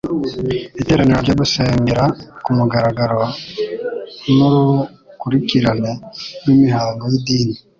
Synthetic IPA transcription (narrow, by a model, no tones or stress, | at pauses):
βiteːɾaneɾoɾɟoːβuseːŋɡeɾakumuɡaɾaɡaɾo | noɾu | kuɾiciɾanenwimihaːŋɡojidiːni